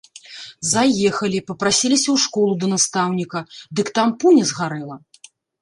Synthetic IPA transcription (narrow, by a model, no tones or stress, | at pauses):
zajɛxɐlʲipɐpɾasʲilʲisʲɐwʂkɔlˠud̪ɐnast̪awnʲikɐd̪ɨkt̪ampunʲɛzɣaɾɛlˠɐ